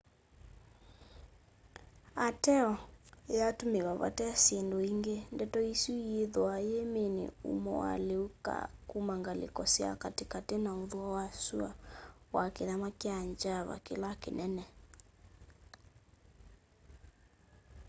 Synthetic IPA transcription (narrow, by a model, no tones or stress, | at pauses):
atɛɔjatomeɣaβa̰tɛsendoiŋɡendɛtɔisuieðɔajemenḛṵmɔ̰wa̰leuka̰kumaŋɡalḛkɔsia̰katekatenaoðwawasuawakeðamakeaɲd͡ʒaβa̰kelakḛnʔɛnɛ